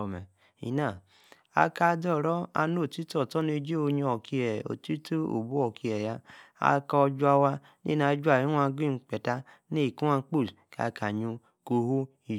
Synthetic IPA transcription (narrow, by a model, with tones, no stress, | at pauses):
mɛ˨ | ḭ˨na˦˨ | a̰˧ka˧˦dɔ˦˨ɾɔ˦a̰˧no˦˨ti˦tɔ˨tɔ˦ne˧d͡ʒe˦o˧ɲ˧ɔ˨ki˧ɛ˨o̰˨ti˦tu˦o̰˨bu˦ɔ˨ki˨˧ɛ˨ja˧a̰˧ka˧d͡ʒu˦a˧wa˧ | nḛ˦˨na˧˦d͡ʒu˦a˦˨ɾi˦a˧˦ɡi˦˨k͡pɛ˨ta˧ | ne˦i˨ku˦a˧˦k͡pu˦˨ka̰˨˧kʰa˨ɲu˧ | ko˧hu˦ | i˨